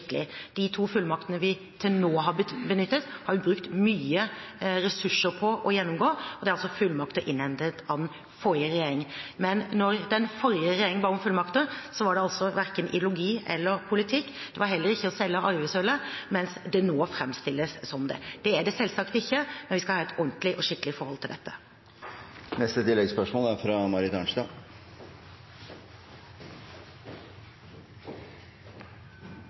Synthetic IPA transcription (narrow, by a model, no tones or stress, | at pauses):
kəlɪd̪̥ɪt̪ʰuːfʉlːmɑkt̪ənəʋɪ | t̪ʰɪlnoːɦɑbənʏt̪ːət̪hɑɾjʊbɾʉkt̪myːəɾɛsʉʂːəɾpʰɔʔɔjɛnːɔmɡoːɔd̪ɛæɾɑlsɔfʉlːmɑkt̪ɔʔɪnhɛnt̪ət̪ɑʋn | fɔɾjəɾɛjeːɾɪŋmɛnːɔɾd̪ɛnfɔɾjəɾɛjeːɾɪŋnbɑɾʊmfʉlmɑkt̪əsɔʋɑɖɛɑlsɔʋæɾkənʔɪ̰d̪jlʊɡiːɛ̰lːəɾpʰʊlɪt̪ʰɪkːd̪̥ɛʋɑɾɦɛlːəɾɪçːəɔsɛlːəʔɑɾʋæɪsøːləmɛnsd̪ɛnoːfɾɛmst̪ɪlːəsːɔmd̪ɛ̰d̪̥ɛæɖɛsɛlsɑkt̪ɪçːəmɛnʋɪskɑhɑːɛt̪ɔnt̪lɪʔɔʂɪkːəlɪfɔɾhɔlt̪ɪld̪ɛt̪ːə̥ | nɛst̪ət̪ɪlːɛɡspœʂmoːlæɾfɾɑmɑɾɪt̪ɑːɳʂt̪ɑː